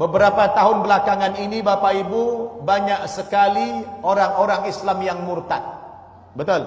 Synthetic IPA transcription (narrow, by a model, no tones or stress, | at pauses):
bəbəɾapat̪aɦʊnbəlakaŋaninibapaibubaɲaʔsəkalioɾaŋoɾaŋislamjaŋmurt̪at̪̚ | bət̪ʊl